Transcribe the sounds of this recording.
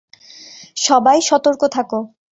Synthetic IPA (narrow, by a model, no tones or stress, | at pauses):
ʃɔbajʃɔt̪oɾkot̪ʰako